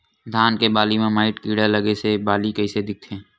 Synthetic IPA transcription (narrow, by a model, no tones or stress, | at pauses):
d̪ʱaːnkebaːlimẽmaːɪʈkiːɽaləɡesebaːlikɐised̪ɪk̚t̪ʰẽː